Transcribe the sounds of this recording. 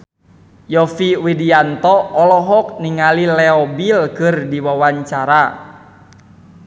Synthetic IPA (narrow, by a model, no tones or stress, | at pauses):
jɔfiwidiant̪ɔːlɔɦɔk̚niŋalilɛɔbilkɨrdiwawaɲt͡ʃaɾa